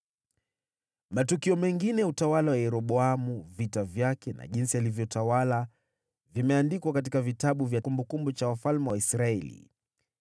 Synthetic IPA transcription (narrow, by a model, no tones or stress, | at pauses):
matukiɔmɛŋɡinɛjautawalawajɛɾɔɓɔamuvitavjakɛna̰ʄinsialivjɔtawala | vimɛandikwakat̬ikavitaɓuvjakumbukumbut͡ʃawafalmɛwaisɾaɛlḭ